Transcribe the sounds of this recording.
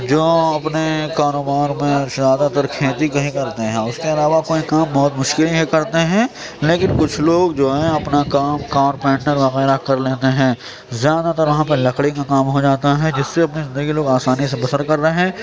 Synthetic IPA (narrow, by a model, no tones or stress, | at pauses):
d͡ʒoːɐpnekaːɾoːbaːɾmẽzjaːd̪at̪ɐɾkʰeːt̪ikɐɦĩkɐɾt̪eɦɛ̃ʊskeɐlaːʋakoːikaːmbɔɦʊt̪mʊʃkɪlɦekɐɾt̪eɦɛ̃ː | leːkɪnkʊt͡ʃʰloːɡd͡ʒoːɛɐpnakaːmkaːɾpɛ̃ːɳɖəɾʋɐɣɛːɾakɐɾleːt̪eɦɛ̃ː | zjaːd̪at̪ɐɾʋɐɦãp̬elɐkɽikakaːmɦod͡ʒaːt̪aɦɛd͡ʒɪsːeɐpnizɪ̃nd̪əɡiloːɡaːsaːnis̬ebɐsəɾkɐɾːəɦeɦɛ̃ː